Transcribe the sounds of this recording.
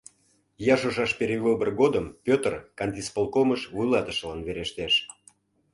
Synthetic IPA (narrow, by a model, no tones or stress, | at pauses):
jɑʒoʒɑʃpeɾeβɨbərɣod̪əmpʲøt̪rkɑnʲt̪ispolˠkoməʃvujlɑt̪əʃlɑnβeɾeʃt̪eʃ